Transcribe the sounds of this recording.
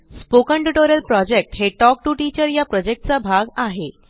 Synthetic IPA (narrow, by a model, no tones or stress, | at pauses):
spokəɳʈuʈoɾjəlpɾɔd͡ʑek̚ʈɦeʈɔk̚ʈuʈit͡ɕəɾjapɾɔd͡ʑek̚ʈ̚t͡sabʱaɡaɦe